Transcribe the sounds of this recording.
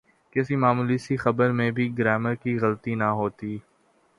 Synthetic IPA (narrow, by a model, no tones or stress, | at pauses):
kɪsimaːmuːlisixɐbəɾmẽbʱiɡɾɛːməɾkiɣɐlt̪inɐɦoːt̪iː